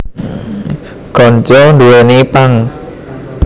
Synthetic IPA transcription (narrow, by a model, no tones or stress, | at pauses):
ɡ̥ɔnt͡ʃɔnd̪uenipaŋ